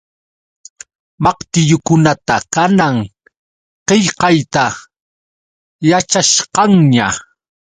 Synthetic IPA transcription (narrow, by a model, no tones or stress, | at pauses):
mɑqt̪ɪjʊkʊnat̪akanaŋ | qeʎqɑjt̪a | jat͡ʃaʃqɑŋɲa